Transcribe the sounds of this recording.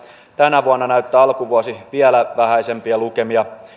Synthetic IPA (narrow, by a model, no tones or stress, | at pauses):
t̪ænæʋuɑnːɑnæyt̪ːæːɑlkuʋuɑsiʋielæʋæhæjsempiɑlukemiɑ